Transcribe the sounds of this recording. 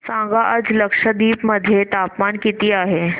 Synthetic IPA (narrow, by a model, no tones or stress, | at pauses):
sãɡaʔəd͡zləkʂəd̪iːpməd̪ʱːjet̪apmankit̪iːaɦe